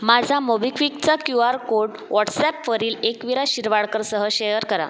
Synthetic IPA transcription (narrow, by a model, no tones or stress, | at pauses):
mad͡zʱamobikʰʋikt͡sakjuaɾkoɽ | ʋɔʈsɛpfəɾiːlekʋiɾaɕiɾʋaɭkəɾsəɦəɕejəɾkəɾa̰